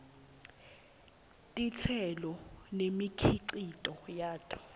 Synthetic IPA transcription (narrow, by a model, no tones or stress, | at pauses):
tʼit͡sʰɛlɔnemikʰiǀitʼɔjaːtʼḁ